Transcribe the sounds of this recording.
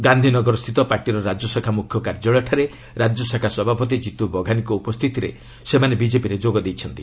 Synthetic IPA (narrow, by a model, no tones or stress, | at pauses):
ɡand̪ʱinɔɡɔɾɔst̪ʰit̪ɔpaɾʈiɾɔɾad͡ʒɔsakʰamukʰjɔkaɾd͡ʒɔɭaʈʰaɾe | ɾad͡ʒɔsakʰasɔbʱapɔt̪̬id͡ʒit̪ubɔɡʱanikɔupɔst̪ʰit̪iɾḛ | semanebid͡ʒepiɾed͡ʒoɡɔd̪ejt͡ʃʰɔnt̪i